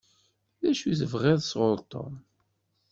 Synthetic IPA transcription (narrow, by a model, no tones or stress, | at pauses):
ðæʃuθəvʁeðˤsʁʊɾt̪ˤo̰m